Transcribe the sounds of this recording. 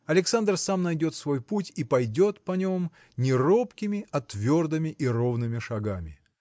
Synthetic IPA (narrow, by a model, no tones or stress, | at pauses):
ɐlʲɪksand̪rsamnɐjdʲo̞t̪svo̞jputʲipɐjdʲo̞t̪pɐnʲom | nʲɪropkʲɪmʲɪʔɐt̪vʲo̞rd̪ɨmʲɪʔiro̞vnɨmʲɪʂɐɡamʲɪ